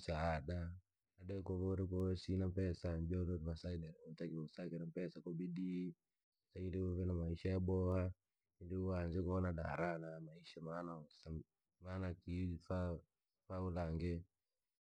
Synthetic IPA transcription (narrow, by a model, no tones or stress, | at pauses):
saːɗa | aɗɛkɔvɔɾɛk̬ɔsinapɛsaɲd͡ʒɔɾɔɾvasaidɛɾɔtakiɔsakɛnapɛsakɔbidi | sailiɔvɛnamaiʃajaɓɔha | iliuanzɛkɔɔnaɗa̰ɾanamaiʃamaːnasa | manakifa | faulaŋɡɛ